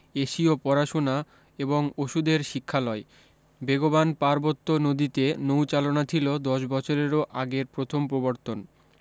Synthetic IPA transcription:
eʃiopɔɾaʃona | eboŋoʃud̪eɾʃikʰːalɔe | beɡobanpaɾbot̪ːonod̪it̪enowt͡ɕalonat͡ɕʰilod̪ɔʃbɔt͡ɕʰoɾeɾoʔaɡeɾpɾot̪ʰompɾoboɾt̪on

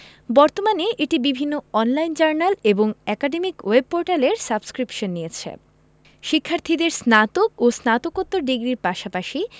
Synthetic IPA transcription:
bɔɾt̪omaneʔeʈibibʱinːoɔnlajnd͡ʑaɾnaleboŋɛkaɖemikweb̚poɾʈaleɾsabskɾipʃonːijet͡ɕʰḛ | ʃikʰːaɾt̪ʰid̪eɾsnat̪okosnat̪okot̪ːoɾɖiɡɾiɾpaʃapaʃi

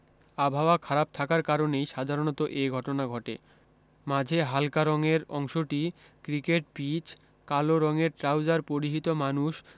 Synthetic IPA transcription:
abʱaoakʰaɾab̚t̪ʰakaɾkaɾonejʃad̪ʱaɾonɔt̪oʔejɡʱɔʈonaɡʱɔʈḛ | mad͡ʑʱeɦalkaɾɔŋeɾɔŋʃoʈi | kɾikeʈ̚bit͡ɕ | kaloɾɔŋeɾʈɾawd͡ʑaɾpoɾiɦit̪omanuʃ

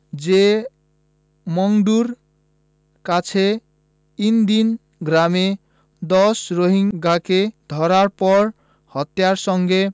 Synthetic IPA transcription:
d͡ʒe | mɔŋɖuɾ | kat͡sʰe | ind̪in | ɡɾame | d̪ɔsɾoɦiŋɡaked̪ʱɔɾaɾpɔɾ | hʌt̪jaɾsʌŋɡe

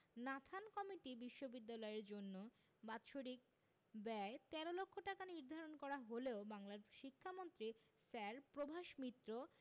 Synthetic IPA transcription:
nat̪ʰankɔmiʈibiʃːobid̪ːalɔeɾd͡ʑonːo | bat̪ːʃoɾik̚ | bɛt̪ɛɾolokʰːoʈakaniɾd̪ʱaɾonkɔɾaɦoleobaŋlaɾʃikʰːamont̪ɾi | sɛɾpɾobʱaʃmit̪ːɾo

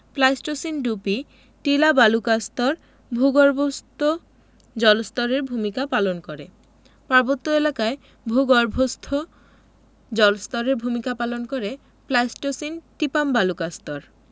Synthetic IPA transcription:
plajsʈosinɖupi | ʈilabalukast̪ɔɾ | bʱuɡɔɾbʱost̪ʰo | d͡ʑɔlst̪ɔɾeɾbʱumikapalonkoɾe | paɾbot̪ːoelakae | bʱuɡɔɾbʱost̪ʰo | d͡ʑɔlst̪ɔɾeɾbʱumikapalonkoɾe | plajsʈosinʈipambalukast̪ɔɾ

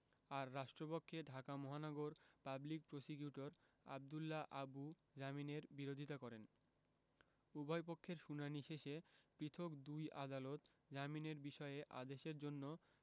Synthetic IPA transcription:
aɾːaʃʈɾopokʰːeɖʱakamɔɦanɔɡoɾpablik̚pɾosikjuʈoɾ | a̰b̚d̪ulːaʔabu | d͡ʑamineɾbiɾod̪ʱit̪akɔɾen | ubʱɔjp̬okʰːeɾʃunaniʃeʃepɾit̪ʰokd̪ujʔad̪alot̪ | d͡ʑamineɾbiʃɔeeʔa̰d̪eʃeɾd͡ʑonːo

